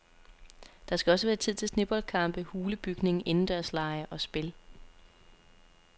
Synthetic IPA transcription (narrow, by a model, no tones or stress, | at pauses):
d̥ɑ̈sɡ̥æɒ̽s̬əʋæːɐt͡sʰið̰ˠt͡sʰe̝lsne̝b̥ɒ̽lkʰɑ̈m̰b̥əhuːləb̥yɡ̥ne̝ŋ̩ʔe̝nn̩d̥æɐslɑ̈ɪɐʔɒ̽sb̥e̝l